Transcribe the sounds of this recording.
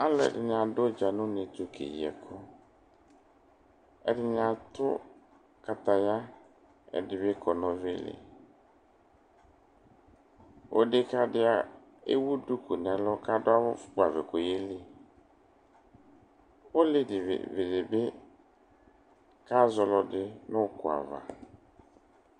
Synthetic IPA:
a˦lʊ˦ɛ̰˨dɪ˨n˨ã˨dʊ˦d͡ʒa˨nʊ̃˦nɪ̃˨tʊ˨kʰḛ˨ḭ˨ɛ̰˨kʰʊ˦ | ɛ̰˨dɪ˨nã˨tʊ̰˦ | ka˨ta˨ja˦ | ɛ̰˨dɪ˨bɪ˦kʰɔ˨nɔ̃˨vɪ˦lɪ̰˨ | o̰˦dɪ˦ka˨dɪ˦a˨ | ḛ˦wu˦du˦ku˨nɛ˨lɔ˦ka˦dʊ˦a˦wʊ˦fʊ̥˦ba˨vɪ˨ko˨je˦li˦ | o˦lɪ˦dɪ˨v̰vɪ˨dɪ˨bɪ˦ | ka˦zɔ˦lɔ˦dɪ˦nʊ̃˦kʊ˨a̰˨va̰˨

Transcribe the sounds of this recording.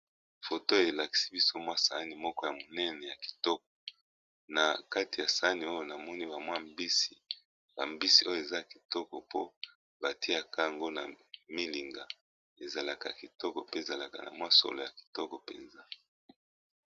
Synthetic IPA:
fo˨to˦˨e˨la˨ki̥˨si̥˦bi˦so˦mwa˦sa̰˨˦ni˨mɔ˦kɔ˦ja˨mo˨nɛ˦nɛ˨ja˨ki̥˨tɔ˦k̚ɔ̥˨ | na˨ka˦ti˨ja˨sa˨a˦ni˨o˦jo˨na˨mɔ˦ni˦ba˨mwa˦mbi˦si˨ | ba˨mbi˦si˦o˦jo˨e˨za˦ki˨tɔ˦kɔ˨po̰˦ | ba˨ti˦a˨ka˦a˨ŋɡo˦na̰˨mi˦li˨ŋɡa˨ | e˨za˨la˨ka˨ki˨tɔ˦kɔ˨pe˦˨za˨la˨ka̰˨na̰˨mwa˦so̰˨lo˨ja˨ki̥˨tɔ˦kɔ˨pḛ˨nza˦

